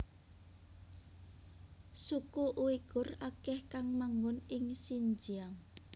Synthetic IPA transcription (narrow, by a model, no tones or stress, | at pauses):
sukuʔuiɡ̥ʊrakɛhkaŋmaŋʊnɪŋsiɲd͡ʒiaŋ